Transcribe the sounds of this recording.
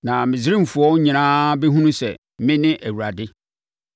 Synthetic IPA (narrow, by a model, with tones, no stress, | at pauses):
nã˨mɪ̃˨zɪ˦ɾĩ˦m̩˨fu˨ɔ˦ɲĩ˨nãː˦bɛ˦ɦũ˦nũ˦sɛ̰˨ | mɪ̃˦nɪ̃˦ʔæ˨wu˨ɾa˨dɪ˦